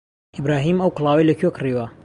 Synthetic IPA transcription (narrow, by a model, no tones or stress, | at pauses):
ʔɪbɾaːɦiːmɐwklˠɑːwejlɐkʰokriwɐ